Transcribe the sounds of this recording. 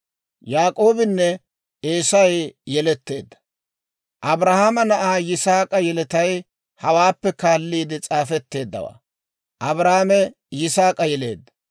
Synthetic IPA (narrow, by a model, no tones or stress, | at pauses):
jaːkʼo̞ːbɪnːɛ | eːsɐjɛjɛlɛt̪ːe̞ːd̪ːɐ̥ | ʔɐbɾɐhamɐnɐʔaːjɪsaːkʼɐjɛlɛt̪ɐj | hɐwaːpːɛkaːlːiːd̪ɪt͡sʼaːfɛt̪ːe̞ːd̪ːɐ̰wa̰ː | ʔɐbɾaːmɛ | jɪsaːkʼɐjɛle̞̰ːd̪ːɐ̥